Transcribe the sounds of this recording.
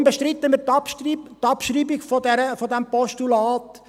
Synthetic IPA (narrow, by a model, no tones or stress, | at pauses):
mbəʃtɾɪt̪ːəmɪt̪ɑpːt̪ɑpʃriːbɪiɡfɔdɛɾəfɔd̪æmpɔʃtulɑːt̪